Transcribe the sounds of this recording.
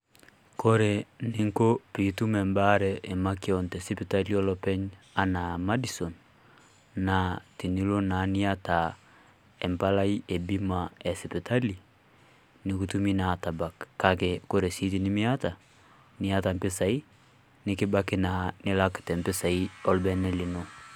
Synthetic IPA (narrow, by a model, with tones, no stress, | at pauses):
ko˦ɾe˨ne˦ŋko˦pi˨tu˦mɛ˨mba˦ɾɛʔe˨ma˦ke˦ɔntɛ˨si˦pe˨ta˦li˦ɔ˦lɔpɛ˦ɲ | a˦na˨ma˦di˦sɔ˨nː | a˨ti˨ni˦lo˦na˨˦ni˦a˦ta˨ | ɛ˨mpa˦la˦i˦ʔe˨bi˦ma˨ɛ˨si˨pe˨ta˦li˨ | ni˨ku˦tu˦mi˦na˨ta˨ba˨kːa˨ke˨ko˦ɾɛ˨si˦t̬i˨ni˦mi˦a˦ta˨ | ni˦a˦ta˨mpe˦sa˨i˦ | ne˦ke˦ba˦ke˦na˨ne˦la˦ktɛ˨mpe˦sa˨i˦ɔ˦lbɛ˦nɛ˦li˨no˦